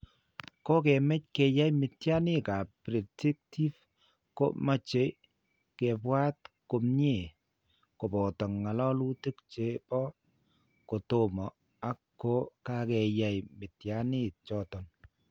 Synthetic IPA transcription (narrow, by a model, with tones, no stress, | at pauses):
ko˦kɛ˨mɛ˦c̚kɛ˨ja˦jmɪ˨tja˦nɪ˦˨ka˨pɾe˨te˦k̚tʰi˦f | ko̰˦ma˦t͡ʃe˨˦ | kɛ˨pwa˦tko˨mɲe˦˨ | ko˨pɔ˨tɔ˨ŋːa˨lɔ˦lu˦te˦kt͡ʃe˨˦pɔ˦ | ko˨to˦mɔ˨ | a˨˦kːo˦ka˨kɛ˨ja˨jmɪ˨tja˦nɪ˦t͡ʃɔ˨tɔ˨n